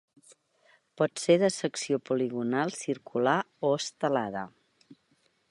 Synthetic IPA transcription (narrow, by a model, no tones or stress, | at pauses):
pɔt̪seðəsəksiopuliɣunalˠsiɾkʰula | oəst̪əlaðə̰